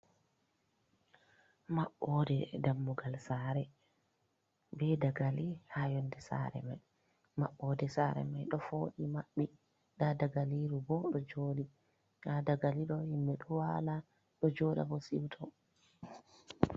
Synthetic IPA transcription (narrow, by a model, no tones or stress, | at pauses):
maɓːɔdɛdamːuɡalsaɾɛ | bɛdaɡalihajɔndɛsa̰ɾɛ̰maj | maɓːɔdɛsaɾɛ̰majɗɔfoɗimaɓːi | ɗadaɡaliɾubɔɗɔd͡ʒoːli | hadaɡaliɗɔhimːɛɗɔwala | ɗɔd͡ʒɔɗa̰bɔsiwtʰɔ